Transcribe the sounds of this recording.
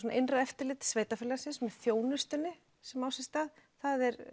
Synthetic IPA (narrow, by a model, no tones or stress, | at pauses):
ɔnaʔejnraɛft̪ɪɾlɪːt̪sveːjt̪afɪlːasɪnsmɛðθjoːwnʏst̪ɪnːɪ | sɛmawsjɛ̥st̪aːðθaðɛɾ